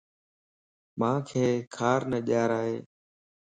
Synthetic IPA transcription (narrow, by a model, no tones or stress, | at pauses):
mãːkʰeːkʰaːɾnəʄaːɾaːɦeː